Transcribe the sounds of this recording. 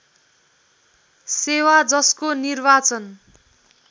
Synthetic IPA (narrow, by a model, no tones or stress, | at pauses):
sewad͡zʌskonirbat͡sʌn